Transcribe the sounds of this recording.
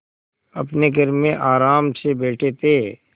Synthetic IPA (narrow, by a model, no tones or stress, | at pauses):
ɐpneɡʱəɾmẽʔaːɾaːmsebeːʈʰet̪eː